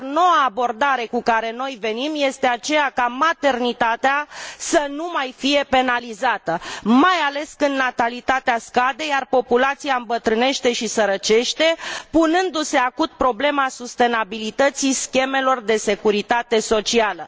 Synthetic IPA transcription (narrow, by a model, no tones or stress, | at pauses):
no̞waːbo̞rd̪aɾe̞kukaɾe̞no̞jve̞nimje̞st̪e̞at͡ʃe̞jakamat̪e̞rnit̪at̪easənumajfije̞pe̞nalizat̪əmajale̞skɨnd̪nat̪alit̪at̪easkad̪e̞jarpo̞pulat̪siaɨmbət̪ɾɨne̞ʃt̪e̞ʃisəɾət͡ʃe̞ʃt̪e̞punɨnd̪use̞akut̪̚pɾo̞ble̞masust̪e̞nabilit̪ət̪siskʲe̞me̞lo̞rd̪e̞se̞kuɾit̪at̪e̞so̞t͡ʃialə